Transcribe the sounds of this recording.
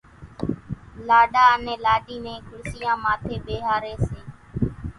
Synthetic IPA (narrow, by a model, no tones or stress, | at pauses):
laːɗaːənẽːlaːɗiːmẽːkʊɽsɪjãːmaːt̪ʰeːɓeːɦaːɾeːseː